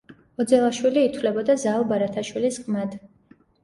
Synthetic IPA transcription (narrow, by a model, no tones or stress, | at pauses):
ɔd̪zɛlˠaʃwiliːt̪ʰwlɛbɔd̪azalˠbaɾat̪ʰaʃwilisqʼmad̪